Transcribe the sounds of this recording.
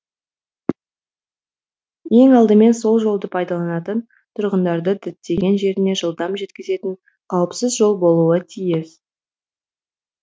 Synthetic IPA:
je̞ŋɑlˠd̪əme̞nso̞lˠʒo̞lˠd̪əpʰɑjd̪ɑlˠɑnɑt̪ən | t̪ʰʊɾʁənd̪ɑɾd̪əd̪ɪt̪t̪ːe̞ɡʲe̞nʒe̞ɾɪne̞ʒəlˠd̪ɑmʒe̞t̪kʲɪze̞t̪ɪɴ | qʰɑwəpsəzʒo̞lˠbo̞lˠuət̪ʰijɪs

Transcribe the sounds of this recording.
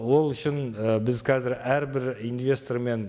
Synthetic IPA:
wo̞lˠʏʃɪnəbɪzqʰɑzɪɾæɾbɪɾinvʲe̞st̪o̞ɾme̞n

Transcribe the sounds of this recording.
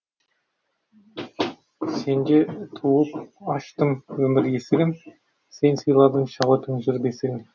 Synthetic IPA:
se̞nd̪et̪ʰuəpɑʃt̪əmwɵmɪɾjesɪɡʲɪn | se̞nsɯjlˠɑɾd̪əɴʃɑʁət̪ʰəŋʒʏɾbesɪɡʲɪn

